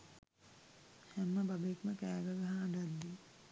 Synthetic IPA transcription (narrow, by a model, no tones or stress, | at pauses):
hɛmːɐbɐbekmɐkɛːɡɐɡɐɦaɐːɖad̪ːi